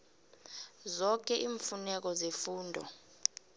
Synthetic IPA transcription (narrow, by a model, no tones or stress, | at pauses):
zɔk̬ʼɛʔiːɱfunɛk̬ɔzefuːndʱɔ̰